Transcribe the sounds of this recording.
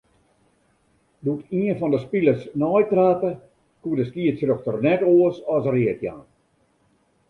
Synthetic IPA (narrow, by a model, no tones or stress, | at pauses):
dutiənfɔndəspiləsnɔjtraːtə | kuədəskiətsrøxtərnɛtoəsɔsriətja̰ːn